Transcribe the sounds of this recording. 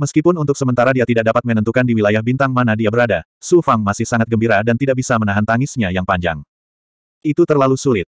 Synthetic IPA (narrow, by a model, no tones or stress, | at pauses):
məskipʊnunt̪ʊk̚səmənt̪aɾadiat̪idak̚dapat̪̚mənənt̪ukandiwilajahbint̪aŋmanadiabəɾadasufaŋmasɪhsaŋat̪̚ɡəmbiɾadant̪idaʔbisamənaɦant̪aŋɪsɲajaŋpaɲd͡ʒa̰ŋ | it̪ut̪ərlalusulɪt̪̚